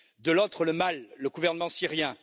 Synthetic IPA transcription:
d̪əlot̪χələmalːəɡuvɛʁnəmɑ̃siʁjɛ̃

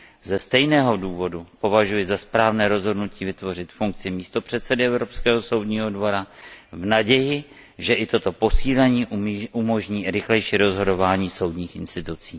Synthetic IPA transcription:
zɛst̪ɛjnɛːɦo̞duːvo̞dupo̞vaʒujɪzaspɾaːvnɛːɾo̞zɦo̞dnuciːvɪt̪vo̞r̝ɪt̪fuŋk̚t͡sɪmiːst̪opr̝̥ɛt̪sɛdɪɛvɾo̞pskɛːɦo̞so̞wdɲiːɦo̞dvo̞ɾavnaɟɛjɪ | ʒɛʔɪt̪o̞t̪o̞po̞siːlɛɲiːʔumo̞ʒɲiːɾɪxlɛjʃiːɾo̞zɦo̞do̞vaːɲiːso̞wdɲiːxʔɪnst̪ɪt̪ut͡siː

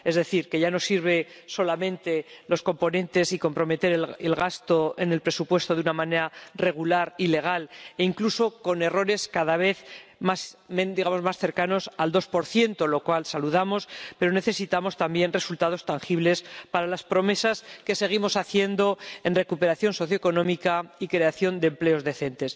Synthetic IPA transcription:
e̞zðe̞θiɾke̞ʝano̞siɾβe̞ | so̞lamẽ̞nt̪e̞lo̞sko̞mpo̞nẽ̞nt̪e̞siko̞mpɾo̞me̞t̪e̞ɾelelɣast̪o̞e̞ne̞lpɾe̞supwe̞st̪o̞ðunamãne̞ɾare̞ɣ̞ulaɾile̞ɣ̞aleiŋkluso̞ko̞ne̞ro̞ɾe̞skaðaβ̞e̞θmasmed̪iɣamo̞zmasθe̞ɾkano̞sald̪o̞spo̞ɾθje̞nt̪o̞lo̞kwalsaluðamo̞spe̞ɾo̞ne̞θe̞sit̪amo̞st̪ambje̞nre̞sult̪að̞o̞st̪aŋxiβle̞spaɾalaspɾo̞me̞saske̞se̞ɣ̞imo̞saθje̞nd̪o̞e̞nre̞kupe̞ɾaθjo̞nso̞θjoeko̞nõ̞mikaikɾe̞aθjo̞nd̪emple̞o̞zðe̞θe̞nt̪e̞s

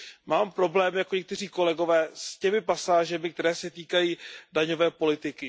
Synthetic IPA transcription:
maːmpɾo̞blɛːmɪjakoɲɛk̚t̪ɛriːko̞lɛɡo̞vɛːscɛmɪpasaːʒɛmɪkt̪ɛɾɛːsɛt̪iːkajiːdaɲo̞vɛːpo̞lɪt̪ɪkɪ

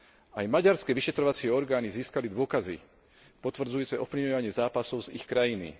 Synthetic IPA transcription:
ajmaɟaɾskɛʋiʃɛt̪ɾɔʋat͡sɪɛɔɾɡaːniziːskalid̪ʊɔkazḭ | pɔt̪ʋr̩d͡zujuːt͡sɛʔɔpliɔʋaɲɪɛzaːpasɔʊzixkɾajinḭ

